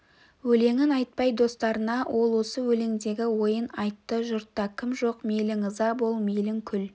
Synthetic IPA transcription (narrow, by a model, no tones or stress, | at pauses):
wɵle̞ŋɪnɑjt̪̚pɑjd̪o̞st̪ɑɾənɑwʔo̞lˠwo̞səwɵleŋd̪e̞ɡʲɪwo̞jənɑjt̪ːəʒʊɾt̪ːɑkʲʰɪmʒo̞qmejlɪŋəzɑbo̞lˠmejlɪŋkʲʰʏl